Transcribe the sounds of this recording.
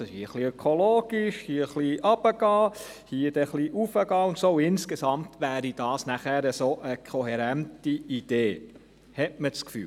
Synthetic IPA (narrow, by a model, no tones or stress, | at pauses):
hiːəχliœkʰoloːɡ̥iʃhiːəχliːʔɑb̥əɡ̥ɑː | hiəd̥ɛχliʔufəɡɑːʊnt̪soːɪnskesɑmtʋæːɾid̥ɑːsnæχæɾəsoːʔəkʰoɦeɾæntiid̥eː | hɛtmət͡skfy̰ː